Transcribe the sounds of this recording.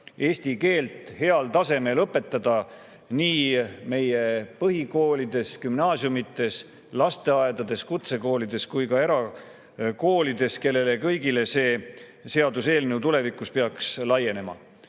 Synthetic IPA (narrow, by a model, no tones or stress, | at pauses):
e̞ːsʲt̪ike̞ːlt̪ˑhe̞ɑlt̪ɑse̞me̞lɤpːˑe̞t̪ˑːɑd̪̥ɑ | niːme̞je̞pɤɦiko̞ːlid̪̥e̞skymnɑːsjumit̪ːˑe̞s | lɑst̪e̞ɑed̪ɑd̪e̞skut̪se̞ko̞ːlid̪̥e̞skujkɑe̞ɾɑ | ko̞ːlid̪e̞ske̞lːe̞le̞kɤjɡile̞se̞ː | se̞ɑd̪use̞ːlnewt̪ule̞vikːˑuspe̞ɑkslɑje̞ne̞mɑ̰